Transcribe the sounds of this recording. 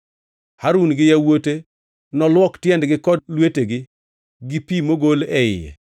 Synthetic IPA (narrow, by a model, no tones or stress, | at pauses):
haɾunɡɪjawote | nɔlwɔktjɛndɡɪkɔdlweteɡɪ | ɡɪpimoɡolɛɪ̰jɛ̰